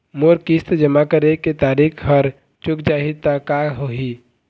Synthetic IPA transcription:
moːɾkist̪d͡ʒəmakəɾeket̪aːɾikʰɦəɾ | t͡ʃʊkd͡ʒaːɦit̪akaɦoɦi

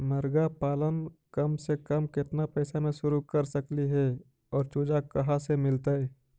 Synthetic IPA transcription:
mɐɾɡapaːlənkɐmsekɐmkɪt̪napɛːsamẽʃʊɾukɐɾsəkliɦɛ | ɔːɾt͡ʃuːd͡ʒakɐɦasemɪlt̪aɦɛː

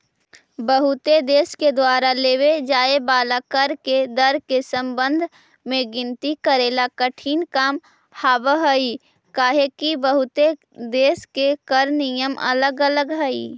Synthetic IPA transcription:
bəɦʊt̪ed̪eːsked̪waːɾaleːwed͡ʒaːebaːlakəɾked̪əɾkesə̃mbə̃nd̪ʱ | mẽɡɪ̃nt̪ikəɾeːlakəʈʰiːnkaːm | haːbəɦəi | kaːɦekibəɦʊt̪e | d̪eːskekəɾnɪjəmɐ̰ləɡələɡɦəḭː

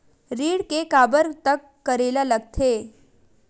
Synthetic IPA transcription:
ɾiːɽkekaːbəɾt̪əkːəɾeːlaləɡt̪ʰeː

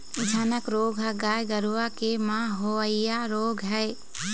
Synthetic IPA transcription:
d͡ʒʱɐnəkɾoːɡʱɦɐɡajɡəɾuwakemãɦoəjjaɾoːɡʱɦɛj

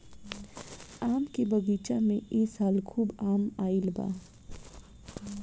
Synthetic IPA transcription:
aːmkebəɡiːt͡ʃamẽʔeːsaːlkʰuːbaːmaːilba̰ː

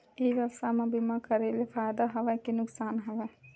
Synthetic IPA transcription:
eʋəʋsamẽbimakəɾelepʰajd̪aɦɐʋɛkenʊksaːnɦɐʋɛ

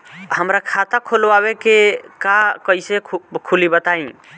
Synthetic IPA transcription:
həmɾakʰat̪akʰolwabekekakəisekʰulibət̪aĩ

